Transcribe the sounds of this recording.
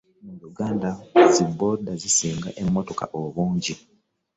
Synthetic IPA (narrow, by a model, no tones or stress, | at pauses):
mujuɡaːndazibodazisiːŋɡaʔe̞mːoto̞ka̰ʔoβuːɲɟi